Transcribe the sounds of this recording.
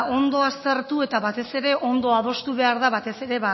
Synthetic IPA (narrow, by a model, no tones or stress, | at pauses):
o̞nd̪o̞ast̪eɾt̪ue̞t̪aβat̪e̞se̞ɾe̞ʔo̞nd̪o̞að̞o̞st̪uβe̞aɾðaβat̪e̞sse̞ɾe̞βa